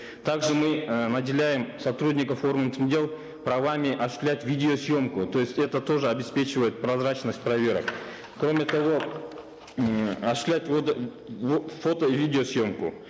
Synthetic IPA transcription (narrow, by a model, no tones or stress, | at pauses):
t̪aɡʐɨmɨnɐdʲɪlʲæjɪmsɐt̪ɾudʲnʲɪkəfo̞rɡənt̪ɨmdʲe̞lˠ | pɾɐvamʲɪʔɐɕʊ̥sʲlʲætʲvʲidʲɪosjo̞mkʊt̪o̞jɪsʲtʲɛt̪ət̪o̞ʐɨɐbʲɪspʲe̞t͡ɕɪvəjɪt̪̚pɾɐzɾanəsʲt̚ʲprɐvʲe̞ɾə̰k | kɾo̞mʲɪt̪ɐvo̞ | ɐɕʊ̥sʲlʲætʲvot̪ | fo̞t̪əvʲidʲɪosjo̞mkʊ̰